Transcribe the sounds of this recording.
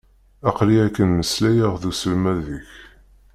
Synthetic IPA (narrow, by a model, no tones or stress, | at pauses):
ɑqliækːənməslæjəʁðusəlmæðiç